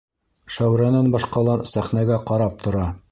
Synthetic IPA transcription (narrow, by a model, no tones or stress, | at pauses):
ʃæwɾɑnɑnbɑʃqɑlˠɑɾsæχnæɡæqɑɾɑp̚t̪ʰŏɾɑ